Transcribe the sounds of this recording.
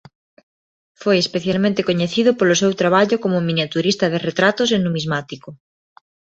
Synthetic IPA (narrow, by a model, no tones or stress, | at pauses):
fojespeθjalmẽnt̪ekoɲeθiðʊpolʊs̬ewt̪ɾaβ̞aʎokomʊmĩnjat̪uɾist̪ɐðeret̪ɾat̪os̬enumizmat̪ikʊ